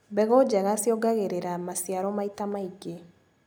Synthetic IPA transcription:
bɛɣɔd͡ʒaɣasjɔɡaɣeɾeɾamasjaɾɔmaitamaiɡe

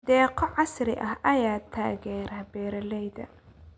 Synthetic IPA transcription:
d̪ɛːqɔʕɑsɾɪʔɐhʔɐjaːt̪ʰaːɣɛːɾaːbɛːɾɐlɛjðɐ̰

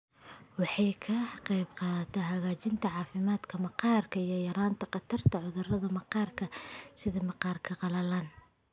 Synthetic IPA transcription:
wɑħɑjkʰɐqɑjbqɑːðɐt̪ʰɛɦɐɣaːt͡ʃɪnt̪ʰɐʕɑːfɪmaːd̪kʰɐmɐqɑːrkʰɐijɞjɐɾaːnt̪ʰɐqɑt̪ʰɐrt̪ʰɐʕʊðʊrɐðɐmɐqɑːrkʰɐsɪðɐmɑqɑːrkʰɐqɑlɐlaːn

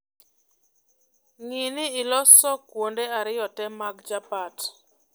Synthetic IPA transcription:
ŋinɪɪlɔsɔkwondeaɾɪjɔtɛmaɡd͡ʒapat

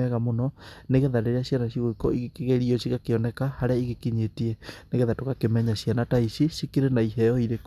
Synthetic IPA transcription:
ɛɣamonɔneɣeðaɾeɾeaɕjanaʃiɣoikɔiɣekeɣeɾiɔʃiɣakeɔnɛkahaɾeaiɣekiɲetiɛneɣeðatoɣakemɛɲaɕjanataiʃiʃikiɾenaiɦɛɔiɾek

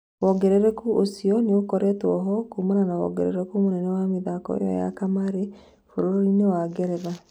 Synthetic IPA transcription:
wɔɡɛɾɛɾɛkuʔosiɔneokɔɾɛtwɔɦɔkuːmananawɔ̰ɡɛɾɛ̰ɾɛkumonɛnɛwameðaːkɔ̰ḛjɔ̰ja̰kamaɾe | foɾoɾoinewaɡɛɾɛɾa

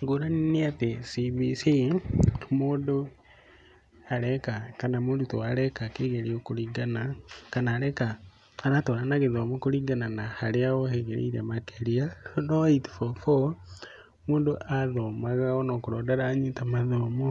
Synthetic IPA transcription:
ŋɡuɾaniniatesiβisi | moːndo | aɾɛkakanamuːndutoaɾɛkakeɣeɾiokuɾiɡanakanaːɾɛkaː | ɾatoɾanaɣeðomokuɾiɡananahaleaɣoheɣḛɾḛiɾḛmakeɾianoitfofo | muːndoʔaðomaɣaonokuɾodeɾaɲitamaðomo

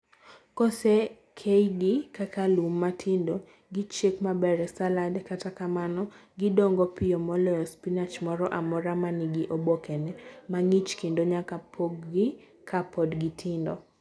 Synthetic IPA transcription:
kɔsɛ | kʰeiɡɪkakalumːatʰɪndo | ɡit͡ʃekmabɛɾɛsaladɛkatakamanɔɡɪdɔŋɡɔpɪjɔmɔlɔɔspinat͡ʃmɔɾɔʔamɔɾamanɪɡiʔobokʰɛnɛmaŋit͡ʃkendoɲakapʰoɡːɪ | kʰapɔdɡitʰɪndɔ̰

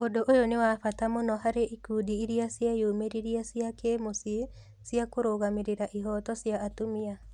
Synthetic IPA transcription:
odoʔojonewafatamonɔɦaɾeʔikuːdiiɾiasjajomeɾiɾiasiakemosi | siakoɾoɣameɾeɾaʔiɦɔtɔsjaːtomia

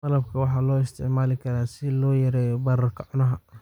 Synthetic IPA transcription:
t̪ɐlɐb̚kʰɐwɑħɑːlɔːɪst̪ʰɪ̰ʕmaːlɪkʰɐɾaːsɪlɔːjɐɾɛːjɔbɐɾɐrkʰɐʕʊnɐɦɐ

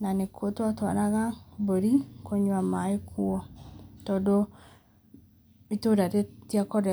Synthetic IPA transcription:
nanekʰotwatwaɾaɣaboɾikoɲwamaekuɔtɔdo | mitoɾaɾetiakɔɾɛ

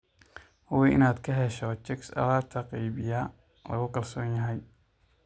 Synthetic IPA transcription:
hʊwɛʔɪ̰naːd̪kʰɐɦɛʃɔt͡ʃɛksɐ̰laːrt̪ʰɐqɛjbɪjɐ | lɐ̰ɣʊkʰɐlsɔːnjɐɦɛj

